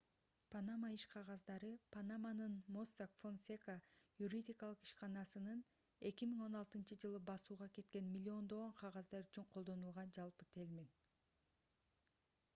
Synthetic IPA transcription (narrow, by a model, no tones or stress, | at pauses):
panamaiʃqʰɑʁɑzd̪ɑɾɯpanamanɯnmo̞sakfo̞nsʲekajuɾʲidʲikɑlˠɯqi̥ʃqɑnɑsɯnɯn | e̞kimiŋo̞nɑlˠt̪ɯnt͡ʃɯd͡ʒɯlˠɯbɑsuːʁɑke̞t̪̚ke̞nmʲilʲːio̞nd̪o̞ʁoɴqʰɑʁɑzd̪ɑɾyt͡ʃyɴqʰo̞lˠd̪o̞nulˠʁɑnd͡ʒɑlˠpɯt̪ʰelʲmin